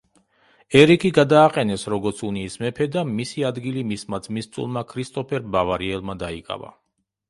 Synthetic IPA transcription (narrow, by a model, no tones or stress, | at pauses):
ɛɾikʰiɡad̪aːqʼɛnɛsɾɔɡɔɾt̪sʰuniːsmɛpʰɛd̪amisiad̪ɡilimismat̪sʰmist̪sʼṵlˠmakʰɾist̪ʼɔpʰɛɾbavaɾiɛlˠmad̪aikʼa̰va̰